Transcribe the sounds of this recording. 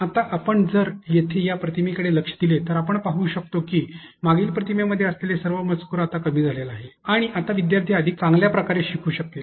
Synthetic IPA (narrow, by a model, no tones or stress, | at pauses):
at̪aʔapəɳd͡zəɾjet̪ʰejapɾət̪ʰimikəɽeləkʂəd̪ilet̪əɾapəɳpaɦuːɕək̚t̪okiː | maɡiːlpɾət̪imjaməd̪ʱːjeəslelesəɾʋəmət͡skuɾat̪akəmiːd͡zʱalelaɦeaɽ̃iʔat̪aʋid̪jaɾt̪ʰiːəd̪ʱik̚t͡sãŋɡljapɾəkaɾeɕikʰuːɕək̚t̪e